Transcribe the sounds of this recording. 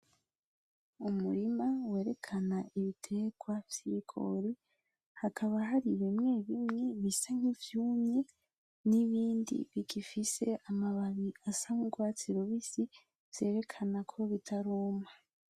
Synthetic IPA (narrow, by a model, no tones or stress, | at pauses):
umuɾimawe̞ːɾe̞kʰanaʔiβitʰe̞ːɡwav̥j̥ikʰo̰ɾi | hakʰaβaɦaɾiβimŋe̞βimŋe̞βisaŋ̥ivjuːmɲe | niβiːndḭβiɡifise̞ʔamaβaβiasamuɡwat͡siɾoβisi | v̥je̞ːɾe̞kʰanakʰoβitʰaɾuːma